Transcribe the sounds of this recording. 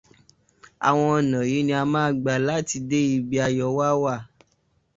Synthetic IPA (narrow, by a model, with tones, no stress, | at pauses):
a̰˨w̃ɔ̃˧ɔ˨nã˨ji˨˦nĩ˧˦a˧mãː˦˨ɡ͡ba˧˨la˦ti˧de˦i˧bi˧a˧jɔ˧˦wa˦wa˦˨